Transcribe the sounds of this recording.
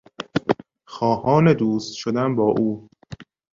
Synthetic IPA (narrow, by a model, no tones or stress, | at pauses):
xɒːhɒːned̪uːst̪ʃod̪æmbɒːʔuː